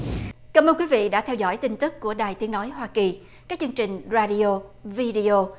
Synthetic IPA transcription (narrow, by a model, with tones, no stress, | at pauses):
kaː˧˩mʔə˧nkwi˨˦vḭ˧˨ɗa̰ː˧˥t̪ʰɛ˧wzɔ̰˧˥˩jt̪ï˧ŋt̪ɨ˦˥k̚ːu˧˩əɗaː˨˩jt̪i˨˦ənɔ˨˦jɦwaː˧ki˨˩ | kaː˦˥k̚t͡ɕɨ˧əŋt͡ɕï˨˩ŋ̟zaː˧ɗi˧o˧vi˧ɗi˧o˧